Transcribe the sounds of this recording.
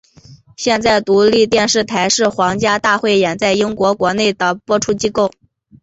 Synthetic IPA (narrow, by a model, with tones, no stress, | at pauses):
ɕjɛ˥˧nt͡sa˥˩ɪt̪u˧˥li˥˧t̪jɛ˥˧nʂɻ̩˥˩t̪ʰa˧˥ɪʂɻ̩˥˩xwɑ˧˥ŋt͡ɕja˥t̪a˥˧xwe˥˩ɪjɛ˨˩nt͡sa˥˩ɪi˥ŋkwɔ˧˥kwɔ˧˥ne˥˩ɪd̪ə˩pwɔ˥ʈ͡ʂʰu˥t͡ɕi˥ko˥˩ʊ